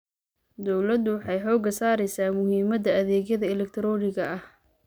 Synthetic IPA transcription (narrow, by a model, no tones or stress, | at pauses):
d̪ɔwlɐd̪ʊwɑħɑjħɔːɡɐsaːɾɛjsaːmʊhiːmɐd̪ɐɐðɛːɣjɐðɐɪlɛk̚t̪ʰɾɔːnɪɣɐɐh